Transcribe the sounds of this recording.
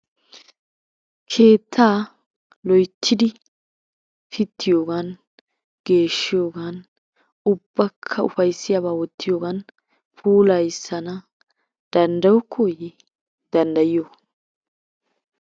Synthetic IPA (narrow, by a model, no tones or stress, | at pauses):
kʰe̞ːt̪ʰːaː | lɔjt̪ʰːɪd̪ɪ | fɪt̪ʰːɪjoːɡɐn | ɡ̥e̞ːʃːɪjo̞ːɡɐn | ʊb̥ːɐkʰːɐʊfɐjsːɪjaβaːwɔt̪ʰːɪjo̞ːɡɐn | pʰuːlɐjsːɐnɐ | d̪̥ɐnd̪ɐwʊkʰːɔjɪ | d̪ɐnd̪ɐjɪjo